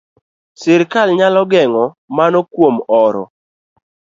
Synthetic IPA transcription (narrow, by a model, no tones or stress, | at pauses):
sɪɾkalɲalɔɡɛŋɔ | manɔkwomɔɾɔ̰